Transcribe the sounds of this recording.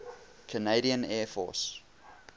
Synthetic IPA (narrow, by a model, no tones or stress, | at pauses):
kʰəneɪɾiə̃nɛːfɔ̰s